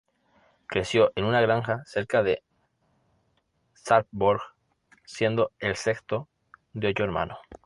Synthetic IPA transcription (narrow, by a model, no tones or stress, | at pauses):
kɾe̞sjo̞ʔe̞nunaɣɾaŋxase̞ɾkaðe̞ | saɾpboɾɣ | sje̞nd̪o̞e̞lse̞kst̪o | d̪eot̪oeɾmã̰no